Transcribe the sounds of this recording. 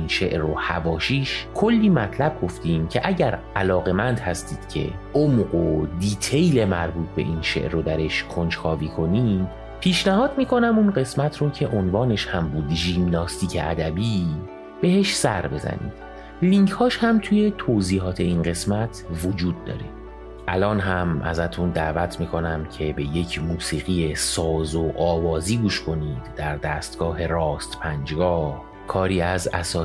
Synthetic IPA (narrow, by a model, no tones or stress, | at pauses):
inʃeʔɾohæ̰vɒːʃiːʃkʰolːiːmæt̪ʰlæb̚ɡo̞ft̪iːmcʰe̞ʔæɟæɾ | ælɒːɣe̞mænd̪hæst̪iːd̪̥cʰe̞̰ʔomɢod̪iːt̪ʰejle̞mæ̰ɾbuːt̪̚ʰbe̞̰ʔinʃe̞̰ʔɾod̪æɾe̞ʃkʰo̞nt͡ʃxɒːviːkʰo̞niːm | pʰiːʃnæɦɒːd̪miːkʰo̞næmunɢe̞smæt̪ʰɾocʰe̞ʔonvɒːne̞ʃhæmbuːd̪ʒimnɒːst̪iːcʰḛʔæ̰d̪æbiː | b̥e̞he̞ʃsæɾbe̞zæ̰nḭːd̪̥ | liŋcʰhɒːʃhæmt̪ʰuje̞t̪ʰoziːɦɒːt̪ʰe̞inɢe̞smæt̪ʰvod͡ʒuːd̪ːɒ̰ːɾe | ʔælɒːnɦæmæ̰zæt̪ʰund̪ævæt̪ʰmiːkʰo̞næmcʰe̞be̞je̞cʰmuːsiːɣijesɒːzoʔɒːvɒːziːɡuːʃkʰo̞niːd̪̥ːæɾd̪æst̪ɡ̥ɒːɦe̞ɾɒːst̪pʰænd͡ʒɡɒːh | kʰɒːɾiːæzæ̰sɒː